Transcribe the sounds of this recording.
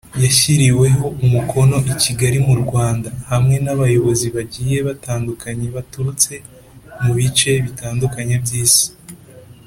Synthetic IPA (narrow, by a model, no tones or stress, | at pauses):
jaçiɾiwe̞ɦo̞ʔumukʰo̞no̞ʔiciɡaɾimuɾɡwaːndahamŋe̞naβajo̞βo̞ziβaɟiːje̞βataːndukʰaɲeβatuɾut͡se̞ | muβit͡ʃe̞βitaːndukaɲabjiːsi̥